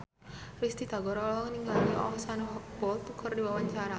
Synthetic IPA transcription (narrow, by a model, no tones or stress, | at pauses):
rist̪id̪̥a̤ɡɔɾɔlɔŋəniŋɡalniʔɔ̰ɔsanɦb̥ɔlt̪ukʰərdiwawaɲt͡ʃaɾa